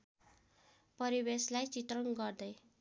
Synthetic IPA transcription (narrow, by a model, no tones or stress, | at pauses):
pʌɾibeslajt͡sit̪rʌŋɡʌrd̪ʌj